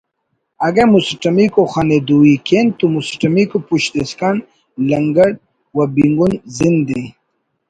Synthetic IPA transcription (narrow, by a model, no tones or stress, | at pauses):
aɡemusʈɐmikoxaned̪uwikent̪umusʈɐmikupuɕd̪eskan | lɐŋɡɐɽ | wabiŋɡunzind̪e